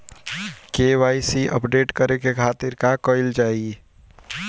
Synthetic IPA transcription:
keːʋaːisiʔə̰pɖeːʈkəɾekekʰaːt̪ɪɾkakɔɪld͡ʒaːie

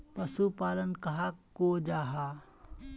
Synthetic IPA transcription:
pɐsupaːlənkɐɦakoːd͡ʒaːɦaː

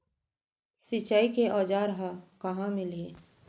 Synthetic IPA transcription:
sɪt͡ʃaːikeʔɔːd͡ʒaːɾɦakɐɦãmɪli

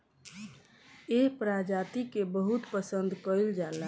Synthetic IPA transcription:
eɦpɾad͡ʒat̪ikebəɦut̪pəsənd̪ʱkəild͡ʒala

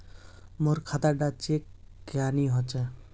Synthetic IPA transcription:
moɾkʰat̪aɖat͡ʃekː | janiɦɔt͡ʃɛ

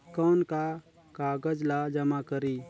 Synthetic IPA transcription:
kɔːnka | kaːɡəd͡ʒlad͡ʒəmakəɾiː

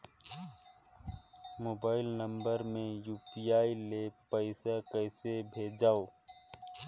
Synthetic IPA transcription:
moːbaːɪlnə̃mbəɾmẽjuːpijaːilepəɪsakəɪsebʱeːd͡ʒaːo

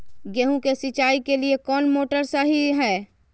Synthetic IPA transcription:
ɡeːɦũkesɪt͡ʃaːikeliekɔːnmoːʈəɾsaɦiɦɛː

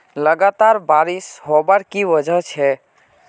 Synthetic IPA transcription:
ləɡat̪aɾbaɾisɦobaɾkiwəd͡ʒʱəɦt͡ʃʰɛ

